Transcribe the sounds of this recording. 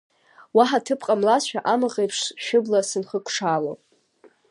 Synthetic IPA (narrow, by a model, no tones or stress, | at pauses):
waħatʰɨpʰqʼamlasʃᶣaʔamɨʁejpʰʂʃʊblasɨnχəkʷʰʼʂalo